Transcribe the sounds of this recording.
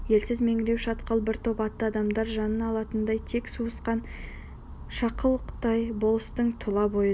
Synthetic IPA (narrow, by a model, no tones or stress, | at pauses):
je̞lsɪzme̞ŋɪɾe̞wʃɑt̪qəlˠbɪɾt̪ʰopɑt̪ːəɑd̪ɑmd̪ɑɾʒɑnənɑlˠɑt̪ənd̪ɑjt̪ʰe̞ksuəsqɑn | ʃɑqəlˠqʰə̥t̪ɑjbo̞lˠəst̪əɴt̪ʰʊlˠɑbo̞jə